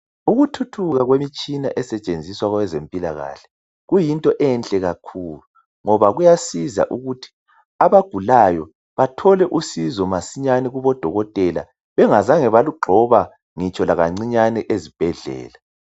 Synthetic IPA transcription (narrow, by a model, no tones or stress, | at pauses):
uɣutʰutʰuɣaɣwemit͡ʃʼina̰ʔɛsɛt͡ʃʼend͡zʱiswaɣwɛzempʼila̰ɣa̰ːɬɛ̥ | ɣujintʼɔʔɛnt͡ɬʼɛɣakʰuːlu | ŋɔβaɣujasiza̰ʔuɣutʰi̥ | aβaɡ̥ʱulajɔ | βatʰɔlɛʔusizɔmasiɲanɛɣuβɔd̥ʱɔɣɔtʼɛla̰ | βɛŋazaŋɛβaluɡ͡ǃʱɔβa | ŋit͡ʃʼɔlaɣaŋ͡ǀiɲanɛʔezib̥ʱɛɮɛ̰ːla